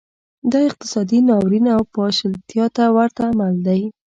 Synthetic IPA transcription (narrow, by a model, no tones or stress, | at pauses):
d̪ɑɪq̚t̪ɪ̥sɑd̪inɑwɾinawpɑʃəlt̪jɑt̪awaɾt̪aːmald̪aj